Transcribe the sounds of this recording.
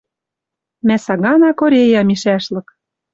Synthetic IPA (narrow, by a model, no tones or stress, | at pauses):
mæsɑɣɑnɑkoɾʲejɑmiʃæʃlɤ̆k